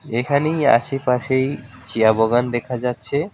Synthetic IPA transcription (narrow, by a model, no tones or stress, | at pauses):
ekʰaneja̰ʃepaʃej | t͡ɕiaboɡand̪ekʰad͡ʑatːɕʰe